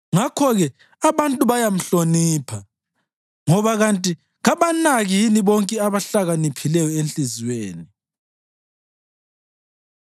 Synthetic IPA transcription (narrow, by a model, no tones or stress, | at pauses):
ŋakʰɔɣɛ | aβantʼuβajam̩ɬoniːpʰa | ŋɔβaɣantʼi | ɣaβanaɣiiniβɔŋkʼɛaβaɬaɣanipʰilɛjɔent͡ɬʼizweːni